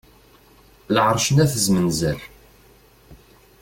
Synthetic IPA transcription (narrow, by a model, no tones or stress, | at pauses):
lʕɾˤʃənæθəzmənzæl